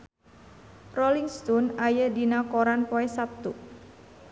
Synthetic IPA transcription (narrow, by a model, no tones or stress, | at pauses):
roliŋst̪unajədinakoɾanpoesap̚t̪u